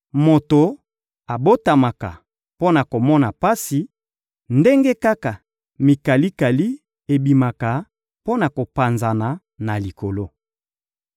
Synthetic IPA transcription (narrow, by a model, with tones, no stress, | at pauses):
mo˨to˨ | a˨bo˦ta˨ma˨ka̰˨ | po˦na˨ko˨mɔ˦na˨pa˦si˨ | nde˦ŋɡe˦ka˦ka˨ | mi˨ka˨li˦ka˨li˦ | e˨bi˨ma˨ka˨ | po˦na˨ko˨pa˨nza˨na˨ | na˨li˨ko˨lo˦